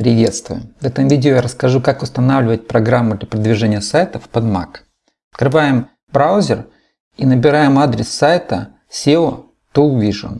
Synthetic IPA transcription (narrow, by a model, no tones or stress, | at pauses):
pɾʲɪvʲe̞t̪st̪vʊjʊvɛt̪əmvʲidʲɪojaɾəskɐʐukakʊst̪ɐnavlʲɪvət̚ʲpɾɐɡɾamːʊd̪lʲɐpɾəd̪vʲɪʐɛnʲɪjəsajt̪əfpɐd̪ma̰k | ɐt̪kɾɨvajɪm | bɾawzʲɪr | inəbʲɪɾajɪmad̪ɾʲɪsːajt̪ə | sʲeʊ | t̪ovʲiʐɨ̰n